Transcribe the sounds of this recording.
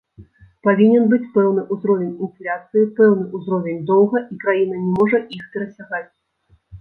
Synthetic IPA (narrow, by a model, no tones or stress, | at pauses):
pavʲinʲɛnbɨt͡sʲpɛwnɨʔuzɾɔvʲɛnʲinflʲat̪sɨjipɛwn̪ɨʔuzɾɔvʲɛnʲd̪ɔwɣɐʔikɾajinɐnʲɛmɔʐɐʔixpʲɛɾɐsʲaɣat͡sʲ